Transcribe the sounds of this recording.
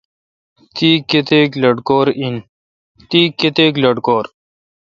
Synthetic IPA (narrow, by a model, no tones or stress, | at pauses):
t̪iːket̪eːklɐɖkoːɾin | t̪iːket̪eːklɐɽkoːɾ